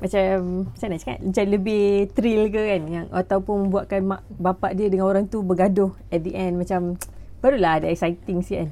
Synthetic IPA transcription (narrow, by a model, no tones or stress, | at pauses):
mat͡ʃamsajnaʔt͡ʃəka̰nəɲt͡ʃanləbɪht̪ɾilkəkanjaŋʔat̪awpuʊnmə̃mbuaʔ̚kanmaʔbapaʔdiədəŋanoɾaŋt̪ubəɡadʊh | ɛt̪̚diʔɛnmat͡ʃampəɾulahadaɛk̚sait̪iŋsikan